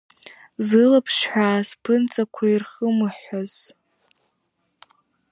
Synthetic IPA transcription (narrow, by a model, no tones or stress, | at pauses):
zɨlapʰʂħʷᶣaːspʰɨnt͡sʼakʷʰairχəmɨħʷaz̥